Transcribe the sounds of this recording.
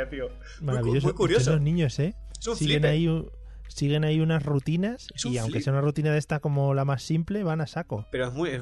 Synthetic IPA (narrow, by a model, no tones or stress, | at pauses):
at̪io | maɾaβiʝos̬oujenlo̞znĩɲo̞se̞ | ssie̞nai | siɣe̞naiunazrut̪inasiawŋkeseaunarut̪inaðe̞st̪ako̞mo̞lamasːimple̞βanasako̞peɾoemue